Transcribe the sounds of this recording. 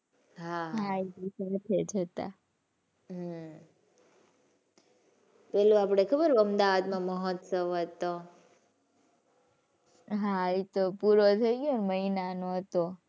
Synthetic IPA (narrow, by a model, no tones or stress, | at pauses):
ɦaɦaiisəət̪ʰed͡ʒət̪a̰ | ɦ | pɛluapɽ̃ekʰəbəɾəmd̪aʋad̪mãməɦɔt̪səʋɦət̪o | ɦait̪opuɾot̪ʰəiɡjonməɦinanoɦət̪o